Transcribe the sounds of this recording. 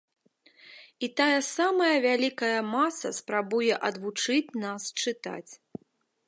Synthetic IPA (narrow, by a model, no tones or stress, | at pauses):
it̪ajɐsamɐjɐvʲalʲikɐjɐmasɐ̰spɾabujɛʔɐd̪vut͡ʂɨt͡sʲnast͡ʂɨt̪a̰t͡sʲ